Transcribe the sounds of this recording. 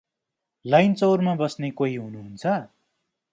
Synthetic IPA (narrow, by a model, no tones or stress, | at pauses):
lajnt͡sʌwrmabʌsnekoɦiɦunuɦunt͡sʰʌ